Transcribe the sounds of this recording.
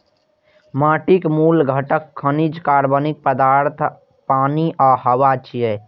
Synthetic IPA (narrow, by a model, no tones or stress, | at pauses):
maːʈikmuːlɡʱəʈəkʰːənid͡ʒkaːɾbənik̚pəd̪aːɾt̪ʰ | paːniʔaɦəwat͡ʃiɛ